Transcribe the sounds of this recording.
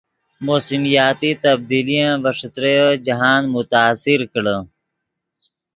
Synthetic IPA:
moːsimijaːt̪it̪ɐb̚d̪iːlijãbɐʂət̪ɾejod͡ʒɐɦaːnmut̪aːsiɾkəɽə

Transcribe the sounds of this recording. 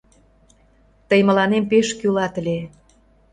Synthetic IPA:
t̪əjmə̆lɑnempeʃkylɑt̪əlʲe

